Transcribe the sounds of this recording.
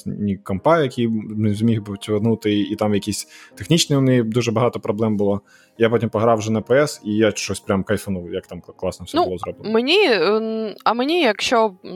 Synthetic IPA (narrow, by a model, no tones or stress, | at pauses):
nʲikɐmpɑjɐkʲijzʲmʲixbot̪ʲʋɐnut̪ɪit̪ɑmjɐkʲisʲt̪exnʲit͡ʃnɪjʊmnʲɛjid̪uʒɛbɐɦɑt̪ɔpɾɔblˠɛmbʊlˠɔ | japɔtʲimpɔɦɾɑwʒɛnɐpɛɛsijaʃt͡ʃɔsʲpɾʲamkɐjsɐnuwjɐkt̪ɑmklˠɑsnɔfsʲɛnbʊlˠɔzɾɔbnmenʲi | ɐmenʲijɐkʃt͡ʃɔ